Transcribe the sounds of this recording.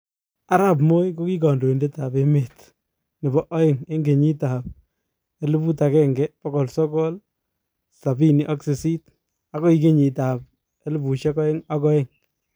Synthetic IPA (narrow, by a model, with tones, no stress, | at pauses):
a˦ɾa˦p̬mo˦jko˦ki˦kɔ˨ndo˨i˨nde˦ta˨pe˦me˨t | nɪ˨bɔ˦ʔɔ˦ɪ˦ŋe˦ŋɡe˨ɲi˦ta˨p̚ | e˦lu˦pu˦ta˨kɛ˦ŋɡɛ˦pɔ˦kɔ˨lsɔ˦kɔ˦l | sa˨bi˦ni˨ʔɔ˦ksɪ˨si˦t | a˦kɔ˦i˦ke˦ɲi˨ta˨p̚ | e˦lɪ˦bu˨ʃɛ˦kɔ˦ɪ˦ŋa˦kɔ˦e˦ŋ